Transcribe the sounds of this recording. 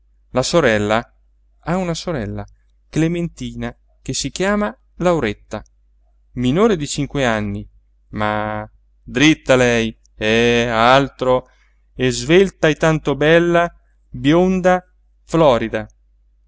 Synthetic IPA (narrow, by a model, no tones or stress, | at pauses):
lasoɾɛlːa | aunasoɾɛlːa | klement̪iːna | k̟esik̟jaːma | lawɾet̪ːa | minoːɾed̪it͡ʃiŋkweanːi | ma | d̪ɾit̪ːalɛj | ɛalt̪ɾo | ezvelt̪ajt̪ant̪obɛlːa | bjond̪a | flɔːɾid̪a